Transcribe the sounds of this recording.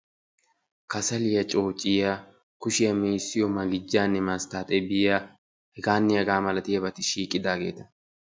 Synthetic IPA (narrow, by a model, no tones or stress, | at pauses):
kɐsɐlɪjɐt͡ʃʼo̞ːt͡ʃʼɪja | kʊʃɪjɐmiːsːɪjɔmɐɡɪd͡ʒːaːnːɛmast̪aːt̪ʼɛbɪja | hɛɡaːnːɪjɐɡaːmɐlɐt̪ɪjɐbɐt̪ɪʃiːkʼɪd̪aːɡe̞ːt̪ɐ